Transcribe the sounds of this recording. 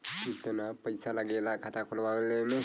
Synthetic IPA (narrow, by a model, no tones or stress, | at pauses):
it̪ənapəjsalaɡelakʰat̪akolbaʋleme